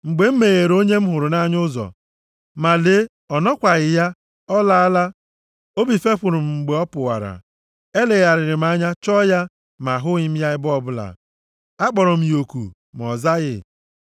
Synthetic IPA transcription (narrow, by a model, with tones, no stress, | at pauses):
ŋ͡m̩˨ɡ͡be˨m̩˦me˨ɣe˨ɾo˦ɲe˦m̩˦ɦʊ˨ɾʊ˨na˦ɲ˦ʊ˦zɔ̰˨ | ma˨le˦ | ɔ˨nɔ˦kʷa˨ɣɪ˨ja˦ | ɔ˦la˦a˦la˦ | o˦bi˨fe˦ɸʷʊ˨ɾʊ˨m̩˨ŋ͡m̩˨ɡ͡be˨˦ɔ˦pʊ˨wa̰˨ɾa̰˨ | e˦le˨ɣa˨ɾɪ˨ɾɪ˨m̩˨˦a˦ɲa˦t͡ʃɔ˦ja˦ | ma˨ɦʊ˦ɲɪ˦m̩˦ja˦ɪ˦bɔ˦˨bʊ˦la̰˨ | a˦k͡pɔ˨ɾɔ˨m̩˨jo˨kṵ˨ | m˨ɔ̰˨za˦ɣɪ̰˦